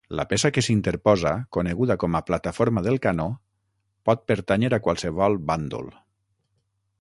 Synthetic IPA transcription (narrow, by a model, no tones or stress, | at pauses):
la̰pesakesint̪eɾpɔzakoneɣuðakɔmaplat̪afoɾmaðelˠkano | pɔt̪̚pəɾt̪aɲeɾakwalˠseβɔlˠband̪ṵl